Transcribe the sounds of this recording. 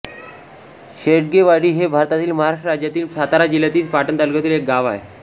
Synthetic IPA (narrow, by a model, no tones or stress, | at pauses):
ɕeʈ̚ɡeʋaɽiːɦebʱaɾt̪at̪iːlməɦaɾaʂʈəɾad͡ʑjat̪iːlsat̪aɾad͡ʑiljat̪iːlpaʈənt̪əlɡət̪iːlek̚ɡaʋae